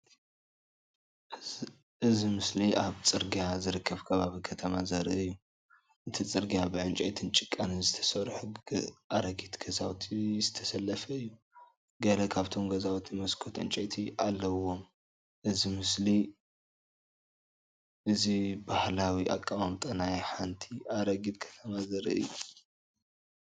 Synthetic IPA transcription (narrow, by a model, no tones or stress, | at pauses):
ʔɨzimɨsliʔaβt͡sʼɨɾɡijazɨɾɨkʰːɐβkʰɐβaβikʰɐt̪ʰɐmazaɾɐɨjːu | ʔɨt̪ʰit͡sʼɨɾɡijabɨʕɨnt͡ʃʼɐjt̪ʰɨnt͡ʃʼɪkʼːanɨzɨt̪ʰɐ̥sɐɾħʔaɾɐɡit̪ɡ̥ɐzawt̪ʰizɨt̪ʰɐsɐlːɐfɐɨjːu | ɡɐlɐkʰaβt̪ʰo̞mɡɐzawt̪ʰimɐskʰot̪ʕɨ̰nt͡ʃʼɐt̪ʰiʔalːɐwo̞m | ʔɨzimɨsli | ʔɨzibahlawiʔa̰kʼːamamt̪ʼɐnajħant̪ʰiʔaɾɐɡit̪kʰɐ̥t̪ʰɐmazɐɾɨ̰ɨ̰jːu